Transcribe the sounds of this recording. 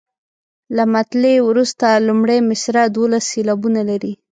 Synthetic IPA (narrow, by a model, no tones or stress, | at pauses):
lamat̪lewɾust̪alumɽajmɪsɾad̪wolasːelabunalaɾi